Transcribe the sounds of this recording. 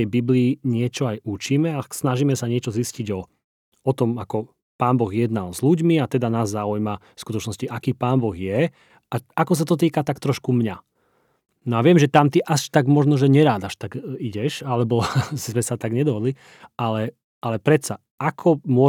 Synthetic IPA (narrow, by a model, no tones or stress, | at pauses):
ɛjbibliːɲɪɛt͡ʃɔajut͡ʃiːmɛasnaʒiːmɛsaɲɪɛt͡ʃɔzisciɟɔ | ɔt̪ɔmakɔ | paːnbɔɣjɛd̪nalzluɟmiat̪ɛd̪anaːzːaujmafskut̪ɔt͡ʃnɔsciʔakiːpaːnbɔɣjɛ | aakɔs̬at̪ɔt̪̬iːkat̪akt̪ɾɔʃkumɲa | nɔaʋɪɛmʒɛt̪amt̪iʔaʃt̪aɡmɔʒnɔʒɛɲɛɾaːd̪aʃt̪aɡiɟɛʃalɛbɔzmɛsat̪aɡɲɛd̪ɔɦɔd̪li | alɛ | ʔalɛpɾɛt̪sa | ʔakʰɔmʊɔ